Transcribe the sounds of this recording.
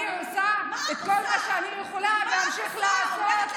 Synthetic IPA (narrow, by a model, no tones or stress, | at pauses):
osaet̪kolmaʃeanijeχolaveamʃiχlaasott̪